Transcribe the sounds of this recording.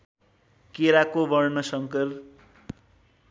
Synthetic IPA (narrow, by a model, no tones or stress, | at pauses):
keɾakobʌrnʌsʌŋkʌr